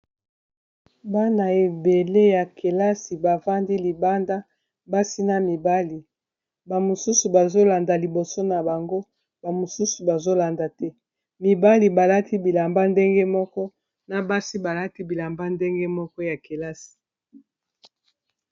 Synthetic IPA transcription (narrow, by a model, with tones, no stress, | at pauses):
ba˦na˨e˨be˨le˦ja˨ke˨la˦si˨ba˨va˦ndi˦li˨ba˦nda˦ | ba˦si˦na˨mi˨ba˦li˨ | ba˨mo˨su˦su˨ba˨zo˦la˨nda˨li˨bo˨so˦na˨ba˨ŋɡo˦ | ba˨mo˨su˦su˨ba˨zo˦la˨nda˨tɛ˦ | mi˨ba˦li˨ba˨la˦ti˦bi˨la˨mba˦nde˦ŋɡe˦mɔ˦kɔ˦ | na˨ba˦si˦ba˨la˦ti˦bi˨la˨mba˦nde˦ŋɡe˦mɔ˦kɔ˦ja˨ke˨la˦si̥˨